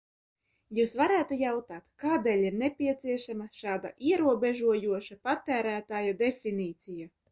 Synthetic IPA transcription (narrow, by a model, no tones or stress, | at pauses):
juːsvaɾæːt̪ujawt̪aːt̪kaːd̪eːlʲiɾnʲepʲiɛt̪siɛʃamaʃaːd̪a̰ʔiɛɾuɔbeʒuɔjuɔʃapat̪æːɾæːt̪aːjad̪efʲiniːt̪sija